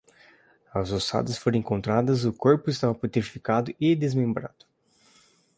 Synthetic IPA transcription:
ɐzosa̰d̪ɐsfoɾ̃ẽŋkõnt̪ɾad̪ɐzʊkoɾpʊɪst̪avɐpoɾt̪eɾfikad̪ʊɪd̪ezmẽmbɾa̰d̪̥ʊ̥

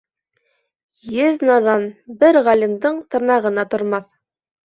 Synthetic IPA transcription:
jɘðnɑðɑnbɘɾʁælʲimd̪ɤɴt̪ɤ̆ɾnɑʁɤ̆nɑt̪ŏɾmɑθ

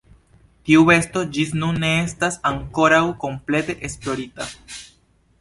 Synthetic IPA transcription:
tiuve̞sto̞d͡ʒisnunːe̞estasaŋko̞ɾawko̞mple̞te̞ʔesplo̞ɾita

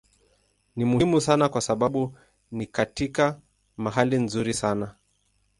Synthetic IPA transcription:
nimumusanakwasaɓaɓu | nikatika | maɦalinzuɾisana

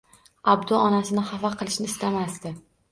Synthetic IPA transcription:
ab̚d̪ʊɒnasɪnɪhafaqʰɨlˠɪʃnɪːst̪amast̪ɪ

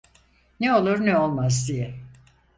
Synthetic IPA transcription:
neo̞lˠuɾneo̞lˠmazd̪ijɛ

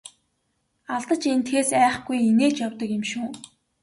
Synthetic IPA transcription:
aɮt̪ə̆t͡ɕent̪ʰxeːsæːχɡujineːt͡ɕjawt̪ə̆kɪmʃuː

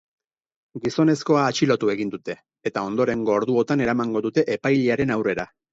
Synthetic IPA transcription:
ɡiso̞ne̞sko̞aːt͡ʃilo̞t̪ue̞ɣind̪ut̪e̞ː | t̪ao̞nd̪o̞ɾe̞ŋɡo̞ːɾðuo̞t̪ane̞ɾamaŋɡo̞ðut̪e̞ʔepajʎeaɾe̞nawre̞ɾa

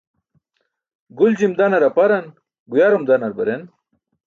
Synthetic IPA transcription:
ɡuld͡ʑimd̪aːnɐɾɐpɐɾɐn | ɡujaːɾumd̪anɐɾbɐɾen

